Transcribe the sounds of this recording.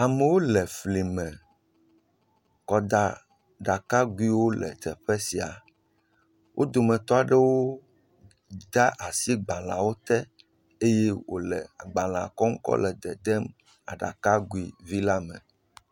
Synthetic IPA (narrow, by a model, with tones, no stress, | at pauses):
a˨me˨wo˦lɛ˨fli˨mɛ̃˨ | kɔ˨d̪a˦ | ɖa˨ka˦ɡu˦i˦wo˦lɛ̰˨t̪ɛ˨ɸɛ˦si˨a̰˨ | wʔo˦d̪o˨mɛ̃˨t̪ɔ˦a˨ɖe˦wo˦ | d̪a˦ʔa˨si˦ɡ͡ba˨lã˨wo˦t̪ɛ˦ | e˦je˦wo̰˨lɛ̰˨a˨ɡ͡bã˨lã˨kɔ˦ŋ̩˦kɔ̰˦lɛ˨d̪ɛ˨d̪ɛ˦m | a̰˨ɖa̰˨ka˦ɡu˦i˨vi˦la˦mɛ̰̃˨